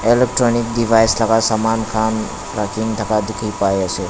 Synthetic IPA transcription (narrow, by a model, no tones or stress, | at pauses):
elek̚ʈɾɔnik̚ɖibʱajsləɡasamankʰan | ɾakʰiŋt̪ʰəkad̪ikʰəipajase